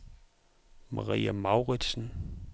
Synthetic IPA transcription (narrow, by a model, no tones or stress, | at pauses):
mɑʁḭːæmɑ̈ʊʁid̥sn̩